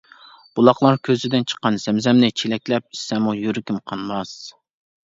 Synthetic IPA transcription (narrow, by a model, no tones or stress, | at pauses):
b̥ulˠɑχlˠɑɾkʲʰøzɪd̪ɪnt͡ʃʰə̥qːɑnz̥ɛmzɛmnɪt͡ʃʰelɛkʲlɛp̚i̥sɛmujøɾɪkʲimqʰɑnmɑs